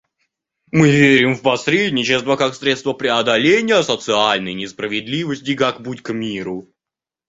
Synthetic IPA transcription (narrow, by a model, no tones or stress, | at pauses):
mɨvʲeɾʲɪmfpɐsɾʲedʲnʲɪt͡ɕɪst̪vəkaksɾʲet̪st̪vəpɾʲɪɐd̪ɐlʲenʲɪjəɐsət̪sɨalʲnəjnʲɪspɾəvʲɪd̪lʲivəsʲtʲɪkakbutʲkmʲiɾʊ